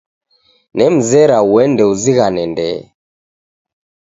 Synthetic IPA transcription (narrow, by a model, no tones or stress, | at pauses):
nɛm̩zɛɾauwɛndɛuziɣanɛndɛ